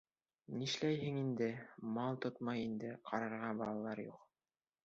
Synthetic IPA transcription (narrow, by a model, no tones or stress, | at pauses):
niʃlæjɦɘŋind̪ɘmɑlˠt̪ot̪mɑjind̪ɘqʰɑɾɑɾʁɑbɑlˠɑlˠɑɾjuq